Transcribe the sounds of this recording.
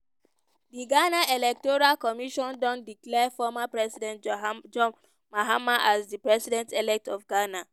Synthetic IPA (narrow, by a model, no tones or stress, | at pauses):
diɡanaɛlɛk̚tɔɹalkɔmiʃɔ̃ndɔ̃ndiklɛfɔmapɹɛsidɛ̃ntd͡ʒɔ̃ | maɦamaʔasdipɹɛsidɛ̃ntɛlɛk̚tɔfɡana